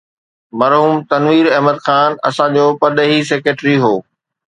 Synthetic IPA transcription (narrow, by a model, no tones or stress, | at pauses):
mɐɾɦuːmt̪ɐnʋiːɾɐɦməd̪xaːnɐ̰sãd͡ʑoːpɐɗ̪ɦis̬eːkeːʈɾiɦoː